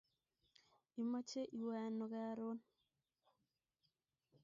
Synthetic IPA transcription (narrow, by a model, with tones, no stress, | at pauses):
i˨ma˦t͡ʃe˦ʔi˨wa˨no˨ka˦ɾo˦n